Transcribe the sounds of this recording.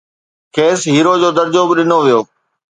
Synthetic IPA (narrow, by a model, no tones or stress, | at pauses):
kʰeːsɦiːɾod͡ʑoːd̪ɐɾd͡ʑobɪɗɪnoʋijoː